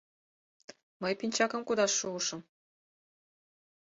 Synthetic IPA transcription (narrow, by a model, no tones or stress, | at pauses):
məjpinʲt͡ɕɑkɤ̆mkud̪ɑʃːuʃɤ̆m